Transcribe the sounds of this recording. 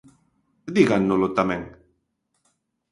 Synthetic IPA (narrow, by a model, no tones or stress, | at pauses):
d̪iɣanːolot̪ameŋ